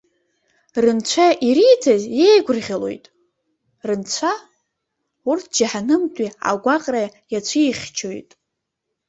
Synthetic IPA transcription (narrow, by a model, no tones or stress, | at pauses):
rɨnt͡ɕʷʰaʔiɾijtʰazjejɡʷʊrʁʲalo̞̰jtʼ | rɨnt͡ɕʷʰa | urtʰd͡ʒaħanɨmtʼia̰ɡʷaqʼrajat͡ɕʷʰijχʲt͡ʃʰojtʼ